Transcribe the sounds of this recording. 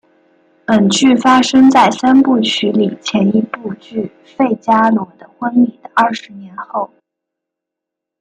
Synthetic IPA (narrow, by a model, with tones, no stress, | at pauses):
ə˨˩nt͡ɕy˥˩fa˥ʂɤ˥ŋt͡sa˥˩ɪsa˥npu˥˩t͡ɕʰy˧˥li˨˩t͡ɕʰjɛ˧˥ni˧˥pu˥˧t͡ɕy˥˩ | fe˥˩ɪt͡ɕja˥lwɔ˨˩d̪ə˦xwə˥nli˨˩d̪ə˦ɐ˥˩ʂɻ̩˧˥njɛ˧˥nxo˥˩ʊ